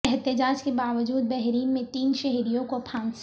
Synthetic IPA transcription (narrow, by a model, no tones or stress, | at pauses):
ɛɦt̪ɪd͡ʒaːd͡ʒkebaːʋəd͡ʒuːd̪̚bɛɦɾiːnmẽt̪iːnʃɛɦɾijõkopʰãːns